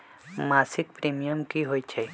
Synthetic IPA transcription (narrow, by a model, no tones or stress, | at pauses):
maːsikpɾimijəmkiɦojt͡ʃʰe